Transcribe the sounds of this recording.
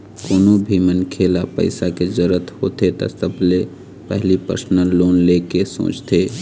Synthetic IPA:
koːnobʱimənkʰeːlapə̰ɪsaked͡ʒəɾət̪hoːt̪et̪ɔ̰səble | pəɦlipə̰ɾsnəlːoːnlekesõ̰ːt͡ʃt̪ʰeː

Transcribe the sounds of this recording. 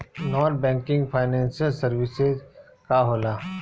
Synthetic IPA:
nɔːnbɛ̃ːŋkɪ̃ŋɡpʰaːɪnɛ̃ːnsəlsəɾwɪsez | kaɦoːlaː

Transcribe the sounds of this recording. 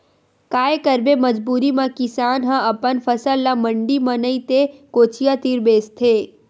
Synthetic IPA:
kaːjekəɾbeməd͡ʒbuːɾimãkɪsaːnɦə̃ɐpənfʰəsəlːamə̃ɳɖimənəit̪ekoːt͡ʃʰijat̪iːɾbeːst̪ʰeː

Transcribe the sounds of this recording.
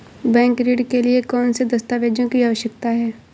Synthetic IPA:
bɛ̃ːŋkɾiːɖkeliekɔːnsed̪ɐst̪aːʋeːd͡ʒjõkiaʋəʃjəkt̪aɦɛː

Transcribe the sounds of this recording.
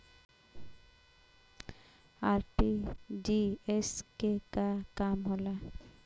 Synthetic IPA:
aɾpid͡ʒieskekakamɦola

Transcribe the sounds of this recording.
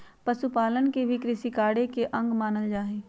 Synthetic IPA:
pɐʃupaːlənkebʱikɾɪʃikaːɽekeʔɐ̃ŋɡmaːnəld͡ʒaːɦeː

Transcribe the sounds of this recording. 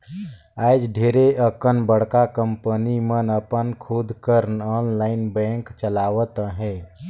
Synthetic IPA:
ajd͡ʒɖʱeɾeəkənbəɽ̤kakəmpənimənəpənkʰud̪ʱkəɾnɔnlaɪnbɛ̃ŋkt͡ʃəlaʋət̪ɦɛ̃

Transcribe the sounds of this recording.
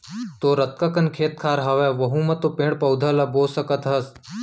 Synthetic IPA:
t̪oːɾɐt̪̚kakɐnkʰeːt̪̚kʰaːɾɦɐʋɛːʋɐɦũmɐ̃t̪opẽːɽpɐwd̪ʱalɐboːsɐkət̪ɦɐs

